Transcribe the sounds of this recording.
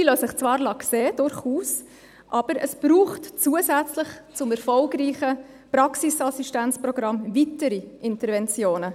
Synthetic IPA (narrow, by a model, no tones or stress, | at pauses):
ilosəχt͡svɑːɾlɑkseːd̥ʊɾχuːs | ʔɑb̥əɾəsb̥ɾuːχtt͡suəsæt͡sləχt͡sʊmɛɾfɔlɡɾiːχə | pɾɑksisɑsiʃtænt͡spɾɔɡ̥ɾɑmvitəɾiʔɪntəɾvɛnt͡sjoːnə